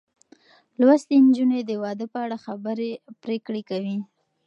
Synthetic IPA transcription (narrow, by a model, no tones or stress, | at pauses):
lwast̪end͡ʒuned̪əwɑd̪əpəaɽaxabəɾepɾekɽekawi